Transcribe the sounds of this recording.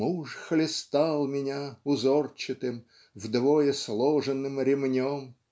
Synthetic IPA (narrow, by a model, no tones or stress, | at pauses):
uʂxlʲɪst̪alˠmʲɪnʲaʊzort͡ɕɪt̪ɨm | vd̪vojəslˠoʐənːɨmɾʲɪmnʲom